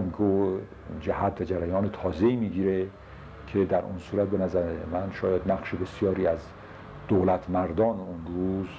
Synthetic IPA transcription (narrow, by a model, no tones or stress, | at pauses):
miɡo | d͡ʒæhæt̪væd͡ʒæɾæjɒːnet̪ʰɒːzeiːmiːɡiːɾe | kʰed̪æɾʔṵnsuːɾæt̪̚be̞næzæɾemænʃɒːjæd̪næɣʃebesjɒːɾiːæz | d̪̥olæt̪ʰmæɾd̪ɒːnunɾuːz